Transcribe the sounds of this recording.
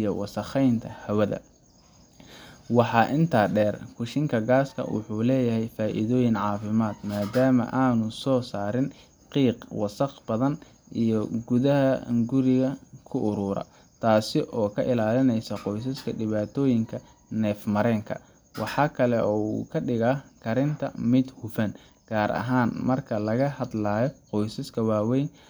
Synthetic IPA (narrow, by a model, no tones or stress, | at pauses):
ijɔwɑsɐχɛjnt̪ʰɐhɐwɐðɐ̰ | wɑħɑːʔɪnt̪ʰaːɖɛːrkʰʊʃɪŋkʰɐɡaːskʰɐ̰wʊ̰ħuːlɛːjɐɦɛjfaːʔɪ̰ðɔːjɪnʕɑːfɪmaːd̪̥maːd̪aːmɐ̰ʔaːnʊsɔːsaːɾɪn | qiːqwɑsɐqb̥ɐðɐn | ʔijɞɡʊðɐɦɐɡʊɾɪɣɐkʰʊʔːɾʊːɾɐ̰ | t̪ʰaːsɪʔɔːkʰɐʔɪlaːlɪnɛjsɐqɔjsɐskʰɐɖɪβaːt̪ʰɔːjɪŋkʰɐ | nɛːfmɐɾɛːŋkʰɐ̰ | wɑħɑːkʰɐlɛʔɔːṵkʰɐɖɪɣakʰɐɾɪnt̪ʰɐmɪd̪hʊfɐn | ɡ̥aːɾʔɐ̰ɦaːnmɐrkʰɐlɐɣɐhɐd̪laːjɔqɔjsɐskʰɐwaːwɛjn